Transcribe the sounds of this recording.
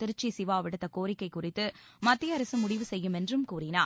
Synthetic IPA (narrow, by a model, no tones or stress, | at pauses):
t̪ɪɾɯt͡ʃːisɪʋaːʋɪɽɯt̪ːɐkoːɾɪkːɐɪkʊrɪt̪ːɯmɐt̪ːɪjɐɐɾɐsɯmʊɽɪʋɯsɛjːɯmɛndrɯmkuːrɪna̰ː